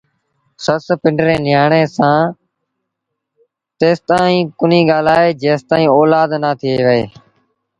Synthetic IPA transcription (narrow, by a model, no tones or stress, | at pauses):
səspɪɳɖɾẽːnɪjaːɳeːsãː | t̪eːst̪aːĩːkʊniːɠaːlaːeːd͡ʒeːst̪aːĩːɔːlaːd̪naːt̪ʰiːʋəeː